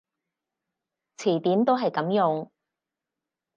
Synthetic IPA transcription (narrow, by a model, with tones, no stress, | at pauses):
t͡sʰiː˨˩t̪iː˨˥mt̪o˥wɦɐ˨jkɐ˨˧˥mjʊ˨ŋ